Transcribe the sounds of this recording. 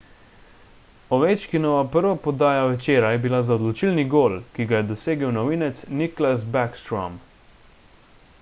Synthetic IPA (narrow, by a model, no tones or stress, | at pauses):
ɔʋet͡ʃkinɔʋapəɾʋapɔd̪aːjaʋɛt͡ʃeːɾajɛbilazaɔd̪lɔt͡ʃilniɡoːlkiɡajɛd̪ɔseːɡəwnɔʋiːnɛt̪sniklasbakst̪ɾɔ̰m